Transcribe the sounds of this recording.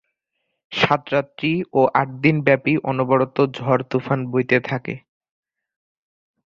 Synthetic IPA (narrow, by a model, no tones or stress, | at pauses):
ʃat̪ɾat̪ːɾioʔaʈ̚d̪inbɛpiʔɔnobɔɾot̪od͡ʑʱɔɾt̪ufanbojt̪et̪ʰakḛ